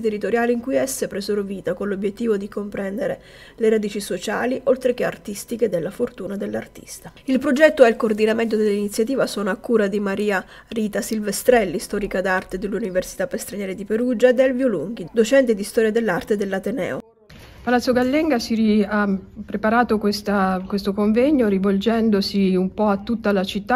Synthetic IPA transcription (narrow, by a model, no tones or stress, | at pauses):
t̪erːit̪oɾjaːleiŋkujɛsːepɾezoɾrviːt̪akonlobjet̪ːiːvod̪ikompɾɛnd̪eɾe | leɾad̪iːt͡ʃisot͡ʃa̰ːliʔolt̪ɾekea̰rt̪ist̪iked̪elːafort̪uːnad̪elːart̪i̥̰st̪ailpɾod͡ʒɛt̪ːoɛilkoːrd̪inament̪od̪elːinit̪sːjat̪iːvasɔːnoakːuːɾad̪imaɾiːa | riːt̪asilvest̪ɾɛlːist̪ɔːɾikad̪art̪ed̪elːuniversi̥t̪apːest̪ɾaɲjɛːɾed̪ipeɾud͡ʒaed̪ɛlvjoluŋɡ̟id̪ot͡ʃɛnt̪ed̪ist̪ɔːɾjad̪elːart̪ed̪elːat̪enɛ̰ːo | palat̪sjoɡalːɛŋɡasiɾiapːɾepaɾaːt̪okwest̪akwest̪okoɱvɛɲːoɾivold͡ʒɛnd̪osiumpɔat̪ːut̪ːalat͡ʃit̪ːa